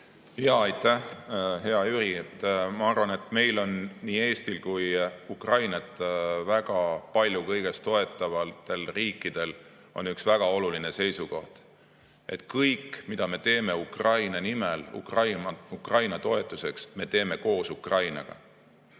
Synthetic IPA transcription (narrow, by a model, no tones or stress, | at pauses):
jɑɑjt̪ːˑæhɦe̞ɑyɾiet̪ːmɑɑrvɑne̞t̪me̞jlo̞nːiːe̞ːst̪ilkujukrɑjnɑt̪ːˑvæɡ̥ɑpɑlʲjukɤjɡ̥e̞st̪o̞e̞t̪ːˑɑvɑlt̪ːe̞lriːkːid̪̥e̞l | o̞̰nyksvæɡ̥ɑo̞luline̞se̞jsuko̞ht̪ | ʔe̞t̪kɤjkmid̪̥ɑme̞t̪e̞ːme̞ukrɑjnɑnimelṵkrɑjukrɑjnɑt̪o̞e̞t̪ːˑuse̞ksme̞t̪e̞ːme̞ko̞ːsukrɑjnɑ̰ɡ̥ɑ̰